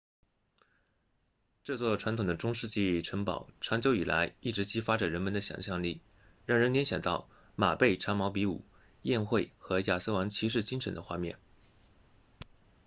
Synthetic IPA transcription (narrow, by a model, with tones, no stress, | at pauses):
ʈ͡ʂɤ˥˧t͡swɔ˥˩ʈ͡ʂʰwa˧˥nt̪ʰʊ˨˩ŋd̪ə˦ʈ͡ʂʊ˥ŋʂɻ̩˥˧t͡ɕi˥˩ʈ͡ʂʰɤ˧˥ŋpɑ̰˨˩˦ʊʈ͡ʂʰɑ˧˥ŋt͡ɕjo˧˥ʊi˨˩la̰˧˥ɪi˥˩ʈ͡ʂɻ̩˧˥t͡ɕi˥fa˥ʈ͡ʂə˨˩ɻə˧˥nmə˧nd̪ə˧ɕjɑ̰˨˩ŋɕjɑ˥˧ŋli˥˩ | ɻɑ˥˩ŋɻə˧˥nljɛ˧˥nɕjɑ˨˩ŋt̪ɑ˥˩ʊ | ma˨˩pe˥˩ɪʈ͡ʂʰa˧˥mɑ˧˥ʊpi˧˥ṵ˨˩˦ | jɛ˥˧nxwe˥˩ɪxɤ˧˥ja˥˩sɹ̩˥wɑ˧˥ŋt͡ɕʰi˧˥ʂ̬ɻ̩˥˩t͡ɕi˥ŋʂə˧˥nd̪ə˧xwa̰˥˧mjɛ̰˥˩n